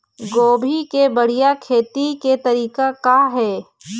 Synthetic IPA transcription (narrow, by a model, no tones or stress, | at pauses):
ɡoːbʱikebəɽ̤ijakʰeːt̪iket̪ɐɾiːkakaɦɛː